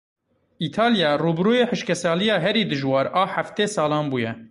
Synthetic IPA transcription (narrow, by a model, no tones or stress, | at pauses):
iːt̪ʰɑːlijɑːruːbɾoːjeːħɨʃkʲɛsɑːlijɑːɦɛɾiːd̪ɨʒwɑːɾɑːħaft̪eːsɑːlɑːnbuːjɛ